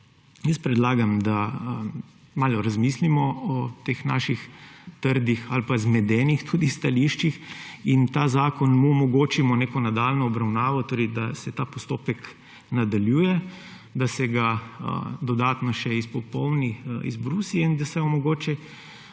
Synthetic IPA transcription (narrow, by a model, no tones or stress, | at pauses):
jəspɾɛd̪laːɡamd̪a | maːlɔɾazmislimɔɔt̪exna̰ːʃixt̪əɾd̪ixalpazmɛd̪ɛːnixt̪ʰud̪ist̪aliʃt͡ʃixint̪aːzaːkɔnmuɔmɔɡoːt͡ʃimɔneːkɔnad̪aːlnɔːbɾawnaːʋɔt̪oːɾɛɪd̪asɛt̪aːpɔst̪oːpɛk | nad̪aljuːjɛ | d̪asɛɡa̰ | d̪ɔd̪aːt̪nɔʃɛispɔpɔwniḭzbɾusiɛind̪asɛɔmɔɡoːt͡ʃɛ